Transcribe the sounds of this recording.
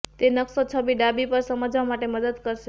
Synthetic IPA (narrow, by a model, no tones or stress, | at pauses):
t̪enəksot͡ʃʰəbiɖabipəɾsəməd͡ʒʋamaʈeməd̪əd̪kəɾʃe